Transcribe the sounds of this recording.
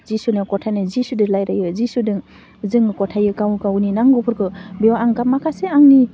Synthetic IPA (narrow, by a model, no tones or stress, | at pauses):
zisunakɔtʰajnɯzisudɯlajɾajɯzisudɯŋ | zɯŋɯkɔtʰajɯkawkawninaŋɡupʰɯɾkʰɯbiwaŋkapmakʰaseaŋni